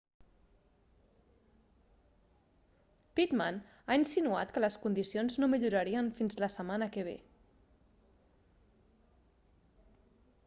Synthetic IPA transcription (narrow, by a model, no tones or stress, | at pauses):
pit̪man | ainsinua̰t̪kələskund̪isionznomiʎuɾəɾiənfinzləsəmanəkəβ̞ḛ